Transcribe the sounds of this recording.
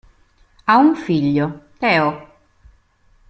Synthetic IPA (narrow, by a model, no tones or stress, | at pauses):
auɱfiʎːot̪ɛo